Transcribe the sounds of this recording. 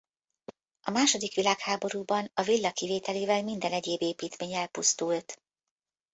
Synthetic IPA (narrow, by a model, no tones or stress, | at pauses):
ɒmaːʃo̞d̪ikʋilaːkhaːbo̞ɾuːbɒnɒvilːɒkiveːt̪ɛleːvɛlmind̪ɛnɛɟeːbeːpiːt̪meːɲɛlpust̪ult̪